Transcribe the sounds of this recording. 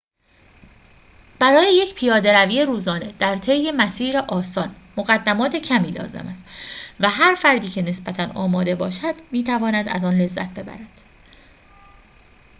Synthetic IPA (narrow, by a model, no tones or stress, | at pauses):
b̥æɾɒːjeje̞cʰpʰijɒːd̪e̞ɾæviːjeɾuːzɒːne̞d̪̥æɾt̪ʰe̞jːemæsiːɾeʔɒːsɒːn | moɣæd̪ːæmɒːt̪ʰe̞cʰæmiːlɒ̰ːze̞̰mæst̪væɦæɾfæɾd̪iːcʰe̞ne̞sbæt̪ʰænɒ̰ːmɒːd̪e̞bɒːʃæd̪̥miːt̪ʰævɒːnæd̪æ̰zɒːnle̞zːæ̰t̪̚ʰbe̞bæ̰ɾæd̪̥